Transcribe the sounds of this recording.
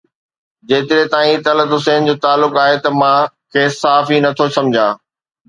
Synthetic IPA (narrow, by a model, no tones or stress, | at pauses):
d͡ʑeːt̪ɪɾet̪aːĩt̪ɐlət̪ʊseːnd͡ʑoːt̪aːlːʊkaːɦet̪ɐmãkʰeːsaɦaːfinɐt̪ʰosɐ̃md͡ʑʱãː